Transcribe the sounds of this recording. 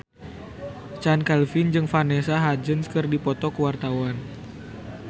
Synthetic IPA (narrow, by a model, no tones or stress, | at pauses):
t͡ʃankɛlfɪnd͡ʒɨŋfanɛsaɦad͡ʒənskɨrdipɔt̪ɔkəwart̪awan